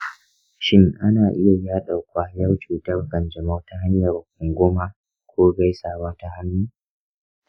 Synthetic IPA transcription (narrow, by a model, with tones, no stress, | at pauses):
ʃɪ˦ŋʔa˦naː˨ʔɪ˦ja˨jaː˦ɗa˨wkʷaː˦jɐ˦wt͡ʃuː˨tɐ˦rkɐ˨nd͡ʒɐ˨ma˦ta˦ha˦ɲ˦jɐ˨rkʊ˨ŋɡʷʊ˦ma˦ | kʷʰoː˦ɡa˦jsaː˨waː˦ta˦ha˦nːuː˦